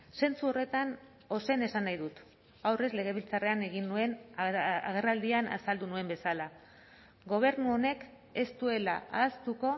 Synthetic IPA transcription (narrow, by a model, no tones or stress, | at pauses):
se̞nt͡suo̞re̞t̪an | o̞se̞ne̞sanajðut̪ | awre̞zle̞ɣ̞e̞βilt͡sare̞ane̞ɣ̞inːue̞n | aɣ̞e̞rald̪iana̰sald̪unue̞mbe̞sala | ɣo̞β̞e̞ɾnuo̞ne̞k | e̞st̪ue̞la̰ʔaːst̪uko̞